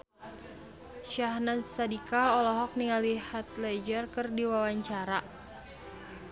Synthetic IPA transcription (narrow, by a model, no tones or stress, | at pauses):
ʃahnasadikaɔlɔɦɔk̚niŋalihat̪̚lɛd͡ʒərkɨrdiwawaɲt͡ʃaɾa